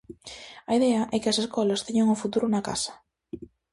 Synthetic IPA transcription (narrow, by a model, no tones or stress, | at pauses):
ɐiðɛɐʔɛkɪɐseskɔlast̪eɲaŋofut̪uɾunaka̰sɐ̥